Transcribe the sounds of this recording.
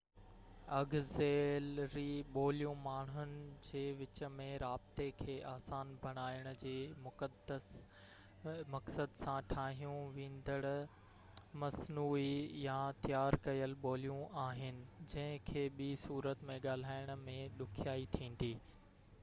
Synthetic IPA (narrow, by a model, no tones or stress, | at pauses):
ɐɡzeːlɾiɓoːlijũmaːɳ̤ʊnɪ̆d͡ʑeːʋɪt͡ɕə̆mẽɾaːb̚t̪ekʰeːʔaːsaːnbʱɐɽ̃aːɪɽ̃ʊ̆d͡ʑeːmʊkəd̪əs | mɐksəd̪sãʈʰaːɦijũʋĩːn̆d̪əɽʊ | mɐsnuːijãt̪ijaːɾkɐjəlɓoːlijũaːɦɪnɪ̆d͡ʑɐ̃ɦɪ̃kʰeːɓisuːɾət̪mẽɠaːl̤aːɪɽ̃ʊ̆mẽɗʊkʰjaːit̪ʰĩːn̆d̪iː